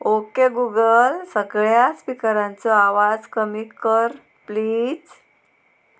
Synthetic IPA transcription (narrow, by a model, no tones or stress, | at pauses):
okeɡuɡəlsəɡɭjaspikəɾãnt͡sɔaʋad͡zkəmiːkːəɾ | pliːd͡z